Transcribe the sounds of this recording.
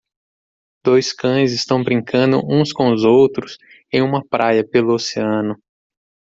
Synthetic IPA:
d̪ojskɐ̃j̃zɪst̪ɐ̃w̃bɾĩŋkɐ̃nd̪ʊ̰ʔũskõʊzowt̪ɾʊs | ẽj̃ũmɐpɾʔajɐpelʊoseɐ̃nʊ

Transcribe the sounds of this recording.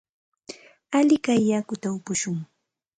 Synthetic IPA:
alɪkajːakʊt̪aʊpʊʃʊŋ

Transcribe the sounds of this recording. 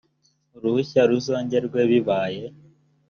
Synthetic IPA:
ɾuhuçaɾuzoːɲɟe̞ɾɡweβiβaːje̞

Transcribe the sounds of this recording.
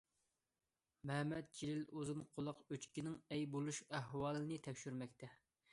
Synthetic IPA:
mɛhmɛt̪̚d͡ʒilɪlozɨnqʰʊlˠʊqøt͡ʃkʲinɪŋɛjbolˠuʃæɦwɑːlˠɨnɨt̪ʰɛkʲʃyɾmɛkʲt̪ʰɛ

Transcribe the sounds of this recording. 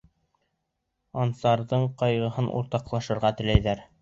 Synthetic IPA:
ɑnsɑɾðɤɴqɑjʁɤ̆ɦɤnʔṵɾt̪ɑqlˠɑʃɤ̆ɾʁɑt̪ɘ̆læjðæɾ

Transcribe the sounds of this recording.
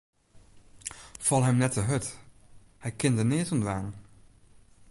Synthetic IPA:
fɑlˠɦɛmnɛtəɦɵt | hɛjkɪndənɪːtɔndʋaːn

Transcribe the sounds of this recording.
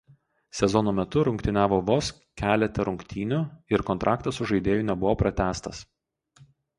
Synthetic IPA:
sʲɛzɔnoːmʲɛt̪ʊɾʊŋkt̪ʲɪnʲæːʋoːʋoːs | kʲæːlʲɛt̪ʲɛɾʊŋʲkt̪ʲiːnʲʊɪɾkɔnt̪ɾʔɑːkt̪ɐsʊʒɐɪd̪ʲeːjʊːˑnʲɛbʊʋoːpɾɐt̪ʲæːst̪ɐs

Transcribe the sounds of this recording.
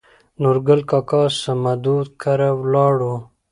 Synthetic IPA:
nuɾɡəlkakɑːsamad̪uːd̪kʰaɾawlɑːɽu

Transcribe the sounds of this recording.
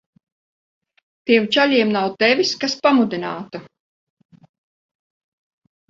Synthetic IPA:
t̪iɛmt͡ʃaʎʲiɛmnawt̪ɛviskaspamud̪inaːt̪ɐ

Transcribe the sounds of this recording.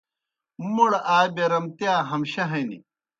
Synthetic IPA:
moɽaːjbeɾɐmt̪aːɦɐmɕɐɦɐjnḭ

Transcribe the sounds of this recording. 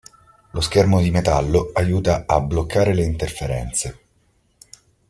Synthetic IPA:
loskermod̪imet̪alːoajuːt̪aablokʰːaːɾeleint̪erfeɾɛ̰nt̪se

